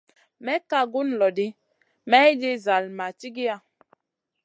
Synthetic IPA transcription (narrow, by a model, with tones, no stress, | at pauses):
mɛ˦ka˦˨ɡu˦n˨lɔ˨di˦ | mɛ˦i˦de˦za˨lma˨ti˦ɡi˦a˦˨